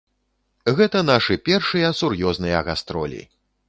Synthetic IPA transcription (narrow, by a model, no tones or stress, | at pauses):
ɣɛt̪ɐn̪aʂɨpʲɛrʂɨjɐsurjɔznɨjɐɣast̪ɾɔlʲḭ